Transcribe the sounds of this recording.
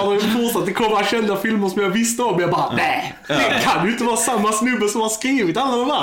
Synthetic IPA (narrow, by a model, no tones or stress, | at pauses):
nafɔsat̪̚d̪ɛkʰɔmːəɾaɕɛnd̪afɪlməɾʂɔmjɑvɪst̪əɔmːjɑbɑːɾanæɪ | d̪ɛkʰanjɪɪnt̪əvɑːɾasamːasnʉbːəsɔmjahɑskɾiːvɪt̪alːad̪ɔmd̪æ